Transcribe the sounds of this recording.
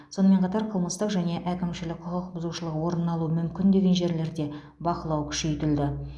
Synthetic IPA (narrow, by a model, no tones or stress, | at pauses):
so̞nəme̞ɴqʰɑt̪ɑɾqʰəlˠməst̪əqʒæne̞ʔækʲɪmʃɪlɪk̚ʲqʰʊqəq̚bʊzuʃəlˠəqwo̞ɾənːɑlˠuəmʏmkʲɪnd̪e̞ɡʲe̞nʒe̞ɾle̞ɾd̪e̞ | bɑqəlˠɑwkʲʰʏ̥ʃe̞jt̪ɪld̪ɪ